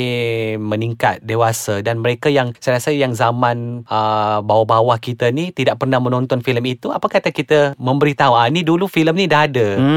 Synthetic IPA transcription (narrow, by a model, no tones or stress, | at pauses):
məniŋkat̪̚dewasadanməɾekajaŋsajɾasəjaŋzamãnəbawabawahkit̪anit̪idaʔ̚pərnahmə̃nɔ̃nt̪ɔnfiləmit̪uapakat̪ahkit̪əmə̃mbəɾit̪aɦuanidulufiləmnĩdaɦada